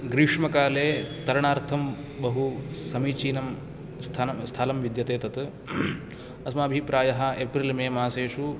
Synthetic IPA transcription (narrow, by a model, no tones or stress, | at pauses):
ɡɾiʂmɐkaːleːt̪ɐɾɐɳaːɾt̪ʰɐm | bɐɦusɐmiːt͡ʃiːnɐm | st̪ʰɐɐst̪ʰaːlɐmʋid̪jɐt̪eːt̪ɐt̪ | ɐsmɐaːbʱipɾaːjɐɦɐ̆eːpɾilmeːmaːseːʃu